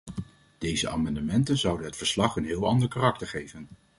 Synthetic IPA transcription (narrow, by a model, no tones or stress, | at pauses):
d̥ejzəʔa̰ːmɑndəmɛntənzʌwdənɦətfəɹslɑχənɦɪːlˠɑndəɹkaːrɑk̚təɹχejvən